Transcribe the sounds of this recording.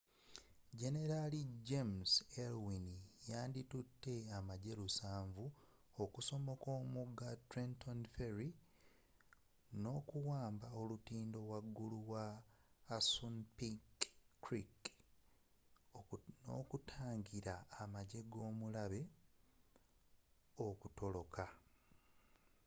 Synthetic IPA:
ɟe̞ne̞ɾaliɟemselwinijaːnditutʰːe̞amaɟe̞lusaːɱvu | okuso̞mo̞koːmuɡatɾentʰonfeɾi | no̞ːkuwaːmbao̞lutiːndo̞waɡːuluwaː | sunpikɾik | no̞̰ːkutʰaːŋɟiɾaːmaɟe̞ɡo̞ːmulaβe̞ | okuto̞lo̞kʰa

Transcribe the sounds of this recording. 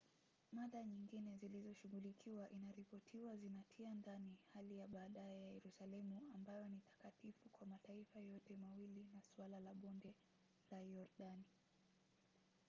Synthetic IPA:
maɗaɲiŋɡinɛzilizɔʃuɣulikʰiwaʔinaɾipɔtʰiwazinatʰiandanihalijaɓaːɗajɛjajɛɾusalɛmuambajɔnitḁkatifukwamataifajɔtɛmawilinasuwalalaɓɔndɛ | lajɔɾɗani

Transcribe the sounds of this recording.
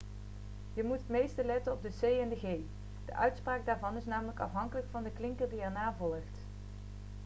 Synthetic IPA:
jəmutɦət̚mejstəlɛtənɔb̚dəsejɛndəɣej | d̥ə̰ʔœɥtspraːɡ̚daːɹvɑnɪsnaːmələkɑ̰fɦɑŋkələkfɑndəklɪŋkəɹdiɛɹnaːvɔlˠəχt

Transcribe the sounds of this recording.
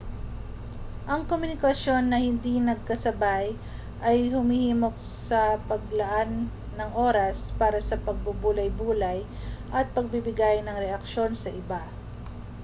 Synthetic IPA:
ʔɐŋkomʊnɪkɐso̞nːɐhɪnd̪inɐɡ̚kɐsɐbaj | ʔɐjhʊmihiːmo̞k̚sɐpɐɡ̚lɐʔanː | ɐŋʔo̞ːɾɐspaːɾɐsɐpɐɡ̚bubuːlɐjbuːlɐj | ʔɐt̪̚pɐɡ̚bɪbɪɡajnɐŋɾɛʔɐk̚ʃo̞nsɐʔɪba

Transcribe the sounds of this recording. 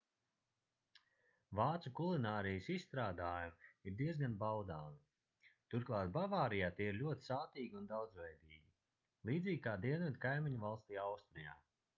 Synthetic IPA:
vaːt̪sukulˠinaːɾijəsisst̪ɾaːd̪aːjumiɾd̪iɛzɡanbawd̪aːmi | t̪uɾklˠaːt̪̚bavaːɾijaːt̪iɛiɾlʲuɔt̪i̥saːt̪iːɡʲiund̪awd̪zvɛjd̪iːɡʲi | lˠiːd̪zʲiːɡʲkaːd̪iɛnɛt̪kajmiɲuvalˠst̪iːawst̪ɾija̰ː

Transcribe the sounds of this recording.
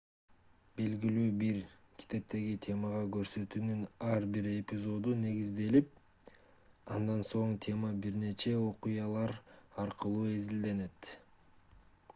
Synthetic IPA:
be̞lɡilyːbiɾ | kʲʰi̥t̪e̞p̚t̪e̞ɡit̪ʲʰe̞mɑʁɑɡø̞ɾsø̞t̪yːnynɑɾbiɾe̞pʲɪzo̞d̪une̞ɡizd̪e̞lip̚ | ɑnd̪ɑnso̞ɴt̪ʰʲe̞mɑbiɾne̞t͡ʃe̞o̞qujɑlˠɑɾɑɾqɯlˠuːe̞zild̪e̞ne̞t̪

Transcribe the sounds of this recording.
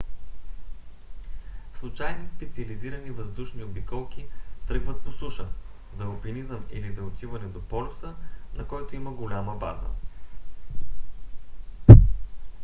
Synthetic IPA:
slˠut͡ʃajnispɛt̪siɐliziɾənivəzd̪uʃniobikɔlˠkʲit̪ɾɤɡvət̪̚posuʃə | zɐopinizəmḭlizɐot̪ivɐnɛd̪opɔlʊsənɐkɔjt̪ʊiməɡolʲaməba̰zə̰

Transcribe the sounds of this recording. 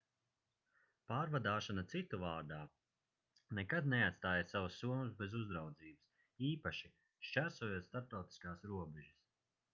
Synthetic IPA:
paːɾvad̪aːʃanat̪sit̪ːuvaːɾd̪aː | nekad̪neat̪st̪aːjasavusːuɔmusbezuzd̪ɾawd̪ziːbɨs | iːpaʃi | ʃt͡ʃæɾsuɔjuːt̪st̪aɾp̚t̪awt̪i̥skaːsɾuɔbɛʒis

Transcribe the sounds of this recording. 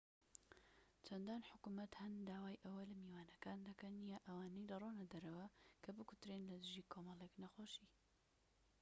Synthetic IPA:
t͡ʃʰɐnd̪aːnħʊkumɐt̪hɐnd̪aːwaːjʔɐwɐlɐmiwaːnɐkaːnd̪ɐkɐnjaʔɐwaːnɐjd̪ɐronɐd̪ɐɾɐwɐkʰɐbɨkʊ̥t̪ɾeːnlɐd̪ɨʒiːkʰomɐlˠeknɐxoːʃi

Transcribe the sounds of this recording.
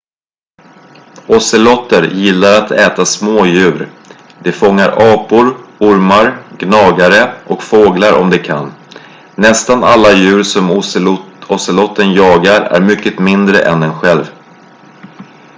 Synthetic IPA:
ʔɔsəlɔt̪ːəɾjɪlːaɾat̪ʰɛːt̪asmoːjʉ̟ːɾ | d̪ɛfɔŋːaɾʔɑːpʊɾʊɾmaɾɡnɑːɡaɾəʔɔkfoːɡlaɾɔ̰md̪ɛkʰa̰nː | ɛst̪analːajʉ̟ːɾsɔm | ɔsəlɔt̪ʰːənjɑːɡaɾæ̰ɾmʏkːət̪mɪnd̪ɾə̰ʔɛ̰nd̪ɛnɧɛlv

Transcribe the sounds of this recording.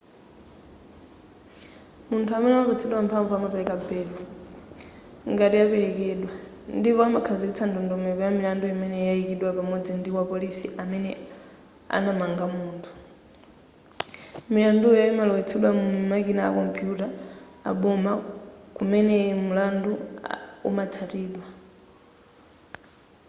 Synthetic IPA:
muntʰuamɛnɛmapɛt͡sʰɛɗwampʰaɱvuamapɛlɛkabɛːla | ŋɡatijapɛɾɛkɛɗwa | ndipɔamakʰazikit͡sʰandɔndɔmɛpɔjamilandujimɛnɛjaikiɗwapamɔd͡zindiwapɔlisiʔamɛnɛ | a̰namaŋɡamuːntʰu̥ | milandujaimalɔwɛt͡sʰɛɗwamumakinaa̰kɔmpʰjuta̰ː | ɓɔmakumɛnɛmulanduṵmat͡sʰatiːɗwa

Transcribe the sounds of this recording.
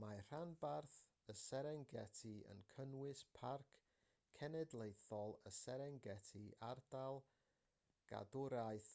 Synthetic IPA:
mar̥anbarθ | əsɛɾɛŋɡɛtʰiə̰nkʰənwɪspʰarkʰː | ɛnɛdlˠejθɔlˠə̰sɛɾɛŋɡɛtʰiardalˠ | ɡ̥a̰dʊɾajθ

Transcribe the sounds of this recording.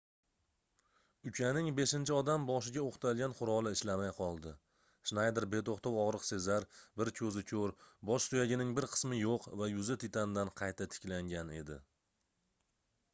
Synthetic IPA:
ʊkʲʰanɪŋbe̞ʃɪnt͡ʃʰɪɒd̪ambɒʃɪɡʲaoqt̪ʰalˠɡʲanqʰʊɾɒlˠɪɪʃlamajqʰɒlˠd̪ɪ | ʃnajd̪ɪɾbe̞t̪oχt̪ʰowɒʁɾɨqse̞zaɾbɪɾkʲʰɵzɪkʲʰɵɾbɒʃsʊjaɡʲɪnɪŋbɪɾqʰɨ̥smɪjoqvajʊzɪt̪ʰɪt̪ʰand̪anqʰɑjt̪ʰat̪ʰɪ̥kʲlaŋɡʲane̞̰d̪ɪ̰

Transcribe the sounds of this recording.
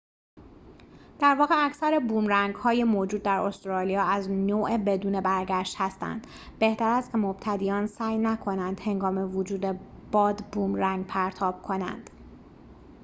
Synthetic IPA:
d̪̥æɾvɒːɣeæcʰsæɾebuːmɾæŋɡhɒːjemoːd͡ʒuːd̪̚ːæɾost̪ɾɒːlijɒːæznoːʔebe̞d̪uːne̞bæɾɡæʃt̪hæst̪æ̰nd̪̥ | be̞ht̪æɾæst̪kcʰemob̥̚t̪ʰæd̪iːɒːnsæːjnækʰo̞nænd̪̥he̞ŋɡɒːme̞vod͡ʒuːd̪e̞ | b̥ɒːd̪buːmɾæŋɡpʰæɾt̪ʰɒːb̥̚kʰo̞næ̰nd̪̥

